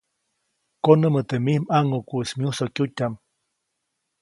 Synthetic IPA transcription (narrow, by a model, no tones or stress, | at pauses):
konəmət̪emihmaŋokuʔsmjusokjutʲam